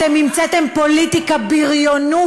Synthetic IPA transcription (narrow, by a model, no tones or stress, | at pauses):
t̪emimt͡set̪empo̞lit̪ikabiʁjonu